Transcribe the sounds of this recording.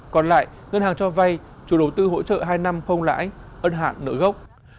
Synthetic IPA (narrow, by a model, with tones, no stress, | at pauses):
kɔ˨˩nla̰ː˧˨j | ŋə˧nhaː˨˩ŋt͡ɕɔ˧va˧j | t͡ɕu˨˩˦ɗə˨˩wt̪ɨ˧ɦo̰˧˥t͡ɕə̰ː˧˨ɦaː˧jna˧mxə˧wŋ͡mla̰ː˧˥jʔə˧nɦa̰ː˧˨nːɨ̰˧˥ɣə˦˥wk͡p̚